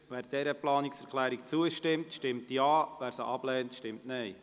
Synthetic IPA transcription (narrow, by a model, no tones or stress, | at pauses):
ʋæːɾd̥ɛɾəplɑːniksɛɾkʰlæːɾikt͡suəʃtɪmtʃtɪmtjɑːʋæːɾsəʔɑb̥lɛːntʃtɪmtnɛɪ